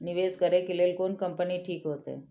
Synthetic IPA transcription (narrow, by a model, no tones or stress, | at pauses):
nɪʋeːskəɾekeleːlkoːnkəmpəniʈʰiːkɦoːt̪ḛ̃